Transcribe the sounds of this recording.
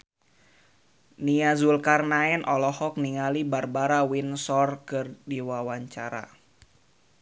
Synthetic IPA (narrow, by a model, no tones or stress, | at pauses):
niazulkarnaɛnʔɔlɔhɔk̚niŋalibarbaɾawinsɔrkɨrdiwawaɲt͡ʃaɾa̰